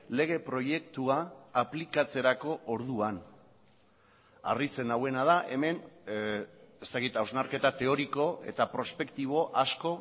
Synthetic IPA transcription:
le̞ɣ̞e̞pɾo̞je̞k̚t̪uaːplikat͡se̞ɾako̞ʔːɾð̞uan | a̰rit͡se̞nawe̞nað̞aʔe̞me̞n | est̪akit̪awznaɾke̞t̪at̪e̞o̞ɾiko̞e̞̰t̪apɾo̞spe̞kt̪iβ̞o̞ʔasko̞

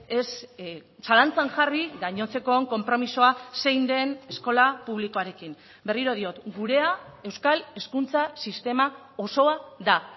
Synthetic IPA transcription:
e̞s | salant͡saŋʝariɡaɲo̞t͡se̞ko̞ŋko̞mpɾo̞miso̞ase̞jnd̪e̞ne̞sko̞lapuβ̞liko̞aɾe̞kim | be̞riɾo̞ð̞io̞t̪ɡuɾe̞ae̞wskale̞skunt͡sasist̪e̞ma | o̞so̞aða

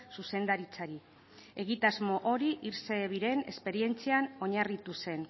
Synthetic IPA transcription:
suse̞nd̪aɾit͡saɾi | e̞ɣ̞it̪azmo̞ʔo̞ɾiʔiɾse̞βiɾe̞ne̞̰spe̞ɾie̞nt͡siano̞ɲarit̪use̞n

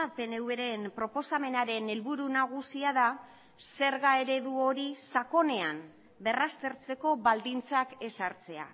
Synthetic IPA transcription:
ape̞ne̞ue̞ɾe̞mpɾo̞po̞same̞naɾe̞ne̞lβuɾunaɣ̞usiaða | se̞ɾɣae̞ɾe̞ðuo̞ɾisako̞ne̞am | be̞rast̪e̞ɾt͡se̞ko̞βald̪int͡sake̞saɾt͡se̞a̰

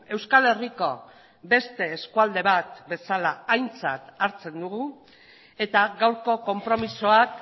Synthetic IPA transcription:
e̞wskale̞riko̞ | be̞st̪e̞ːskuald̪e̞βat̪be̞salaːjnt͡sat̪aɾt͡se̞nd̪uɣu | e̞t̪aɣawɾko̞ko̞mpɾo̞misoak

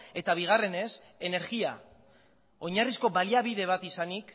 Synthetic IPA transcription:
e̞t̪aβ̞iɣ̞are̞ne̞s | e̞ne̞ɾɣia̰ | o̞ɲarisko̞βaliaβið̞e̞β̞at̪isanik

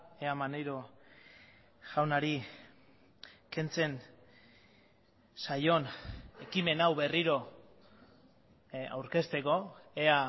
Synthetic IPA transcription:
eamanejɾo̞ | ʝawnaɾi | ke̞nt͡se̞n | sajo̞ne̞kime̞nawβe̞riɾo̞ | a̰wɾke̞st̪e̞ko̞ea

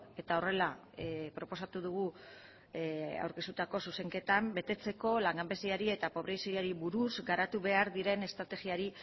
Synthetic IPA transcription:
e̞t̪aore̞la | pɾo̞po̞sat̪uð̞uɣu | a̰wɾke̞st̪u̥t̪ako̞suse̞ŋke̞t̪ambe̞t̪e̞t͡se̞ko̞laŋɡambe̞siaɾie̞t̪apo̞β̞ɾe̞jsoɾjaɾiβuɾuzɡaɾat̪uβe̞aɾðiɾe̞ne̞st̪ɾat̪e̞ɣiaɾi

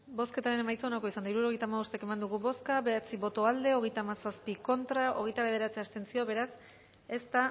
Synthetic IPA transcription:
bo̞ske̞t̪aɾene̞majt͡saonako̞isand̪aiɾuɾo̞ɣ̞ejt̪amaβost̪eke̞mand̪uɣuβo̞skaβeat͡siβo̞t̪o̞ald̪e̞o̞ɣ̞e̞jt̪amasaspiko̞nt̪ɾao̞̰ɣ̞e̞jt̪aβe̞ð̞e̞ɾat͡seast̪e̞nsio̞βe̞ɾas | e̞st̪a

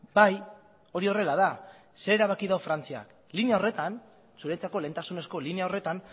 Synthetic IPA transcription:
baj | o̞ɾio̞re̞lað̞a | seɾeɾaβ̞akiðawfɾant͡sia̰k | lineao̞re̞t̪an | suɾet͡sako̞le̞nt̪asune̞sko̞lineao̞re̞t̪an

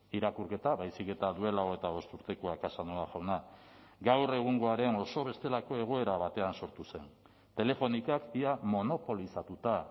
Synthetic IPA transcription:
iɾakuɾke̞t̪aβajsike̞t̪aðue̞laoɣet̪aβo̞st̪uɾt̪e̞koakasanoaʝawnaɡawre̞ɣ̞uŋɡo̞aɾe̞no̞so̞β̞e̞st̪e̞lako̞e̞ɣ̞o̞e̞ɾaβat̪e̞anso̞ɾt̪use̞n | t̪e̞le̞fo̞nikakiamo̞no̞po̞lisat̪ut̪a

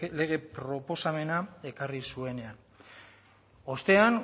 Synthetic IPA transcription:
le̞ɣ̞e̞pɾo̞po̞same̞nae̞karisue̞ne̞an | o̞st̪e̞an

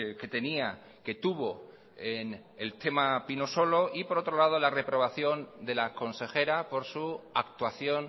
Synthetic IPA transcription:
ke̞t̪e̞nia | ke̞t̪uβ̞o̞ | ene̞lt̪e̞mapinoso̞lo̞ʔipo̞ɾo̞t̪ɾo̞lað̞o̞lare̞pɾo̞βaθjo̞nd̪e̞lako̞nse̞xe̞ɾapo̞ɾsuak̚t̪waθjo̞n

